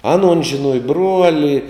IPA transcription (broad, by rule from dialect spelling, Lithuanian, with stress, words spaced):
ˈɑːˌnuɔn ʒʲɪˈnuɔjɛ ˈbruɔlʲɪ